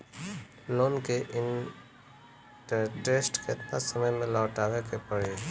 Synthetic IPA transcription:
loːnkeʔɪn | ʈəɾʈesʈket̪nasəməjmẽlaːʈaːʋekepəɽe

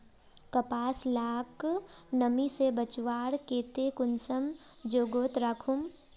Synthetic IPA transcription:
kɐpaːslaːknəmisebət͡ʃʋaːɽkeːt̪ekʊnsəm | d͡ʒoːɡoːt̪ɾaːkʰʊm

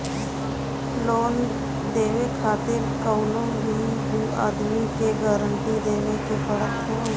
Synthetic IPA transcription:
loːn | d̪eːʋekʰaːt̪eɾkəʊnõːbʱi | ɦuːa̰ːd̪mikeɡaːɾəɳʈid̪eːʋekepəɽəkɦoː

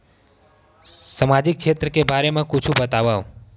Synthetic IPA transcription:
səmad͡ʒik̚t͡ʃʰet̪ɾəkebʱaɾemãkut͡ʃʰũbət̪aʋaʋ

